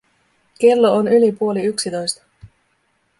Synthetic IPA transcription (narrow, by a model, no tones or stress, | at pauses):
ke̞lːo̞onylipuo̞liyksit̪o̞jst̪ɑ̥